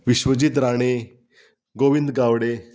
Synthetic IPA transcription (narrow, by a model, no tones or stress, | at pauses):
ʋiɕʋəd͡ʑiːt̪̬ɾaɽ̃e | ɡoʋind̪ɡaʋɽe